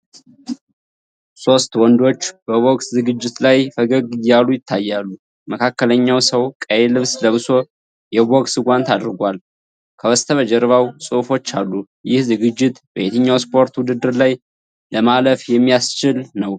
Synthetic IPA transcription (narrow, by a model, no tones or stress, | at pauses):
so̞st̪wɔnd̪o̞t͡ʃːb̥əβo̞ɡszɨɡɨd͡ʒːɪt̪lajfəɡəɡɨjalujɪt̪ʰːajːalːu | məkʰakːələɲːawsəwkʼəjelɨβsləβɨso̞ | jɛboɡsɨɡʷant̪ad̪ɨɾɡʷal | kʰəwəst̪ʰəβəd͡ʒɛɾβawsʼofo̞t͡ʃːalːu | jɪhzɨɡɨd͡ʒːɪt̪bəet̪ʰəɲːawspʰo̞ɾt̪wʊd̪ɨd̪ːɨɾlaj | ləmaləfjɛmːijast͡ʃɪlnəw